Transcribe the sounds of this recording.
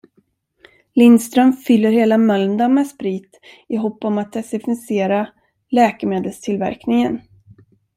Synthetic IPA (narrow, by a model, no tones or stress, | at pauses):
lɪnst̪ɾœmfʏlːəɾheːlamœld̪amɛspɾiːt̪ | ɪɦɔpːɔmat̪̚d̪ɛsɪfɪseːɾa | lɛːkɛmeːd̪əlst̪ʰɪlvæ̰ɾknɪŋən